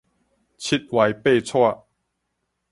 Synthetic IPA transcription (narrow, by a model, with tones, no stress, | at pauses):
t͡ɕʰi˦t̪̚wa˨˩jpe˥˨t͡sʰwa˥˧˨